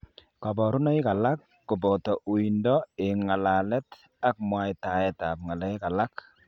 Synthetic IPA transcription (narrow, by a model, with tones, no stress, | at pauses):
ka˨bɔ˨ɾʊ˦nɔ˦ɪ˦ka˨la˦kːʊ˨bɔ˨tɔ˨ʔu˨i˨ndɔ˦ɪ˨ŋa˨la˨lɛ˦t | a˦k̚mwa˦ɪ˨ta˨ɛ˦ta˨p̚ŋa˨lɛ˦jka˨la˦k